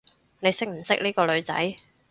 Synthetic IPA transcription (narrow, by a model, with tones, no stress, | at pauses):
ne˨˧jsɪ˥k̚m̩˨˩sɪ˥k̚niː˥kɔː˧lɵ˨˧ɥt͡sɐ̰˨˥j